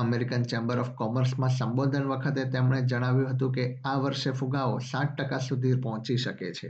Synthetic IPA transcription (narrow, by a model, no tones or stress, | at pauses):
əmeɾikənt͡ʃɛ̃mbəɾɔfkɔməɾsmãsəmbod̪ʱənʋəkʰət̪et̪emɳ̃ed͡ʒəɽ̃aʋjũɦət̪ũkeaʋəɾʃefuɡaosãʈ̚ʈəkasud̪ʱiɾpɔɦt͡ʃiʃəket͡ʃʰḛ